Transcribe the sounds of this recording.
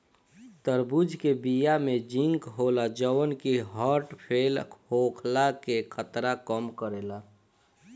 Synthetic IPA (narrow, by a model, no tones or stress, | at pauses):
t̪əɾbud͡ʒkebijamẽd͡ʒɪ̃ŋkɦoːlad͡ʒəwənkiɦɔːɾʈpʰeːlhokʰlakekʰət̪ɾakəmkəɾeːla